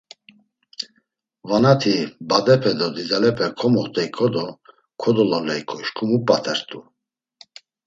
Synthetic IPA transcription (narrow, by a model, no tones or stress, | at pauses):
vanat̪ʰibad̪ɛpʰɛd̪ɔd̪izalɛpʰɛkʰɔmɔχt̪ʼɛikʰɔd̪ɔ | kʰɔd̪ɔlalɛjkʰʼɔiʃkʰʼumupʼat̪ʰɛɾt̪ʼu